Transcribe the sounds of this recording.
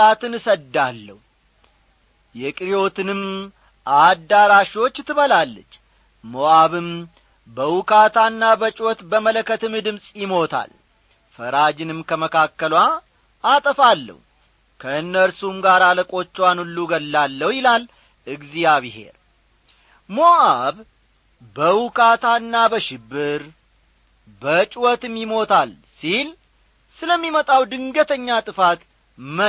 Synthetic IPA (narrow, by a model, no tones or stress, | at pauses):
at̪ɨnɨsəd̪ːalːə̰h | jɛkʼɾijo̞t̪ʰɨnɨm | ʔad̪ːaɾaʃiwo̞t͡ʃːt̪ʰːɨβəlalːət͡ʃː | moaβɨm | bəwʊkʰat̪ʰanːabət͡ʃʼwɔt̪bəmələkːət̪ɨmɨd̪ɨmsʼjɪmo̞t̪ʰa̰l | fəɾad͡ʒɪnɨmkʰəməkʰakːəlwa | ʔat̪ʼəfalːə̰h | kʰəɨnːəɾsumɡaɾaləkʼo̞t͡ʃːɛwanulːuɡəlːalːəhjɪlal | ʔɨɡzijaβiɦe̞̰ɾ | moʔaβ | bəwʊkʰat̪ʰaɨnːabəʃɪbːɨɾ | bət͡ʃʼwɔt̪ɨmjɪmo̞t̪ʰal | sil | sɨləmːimət̪ʼawd̪ɨŋɡət̪ʰəɲːat̪ʼɨfat̪ | mə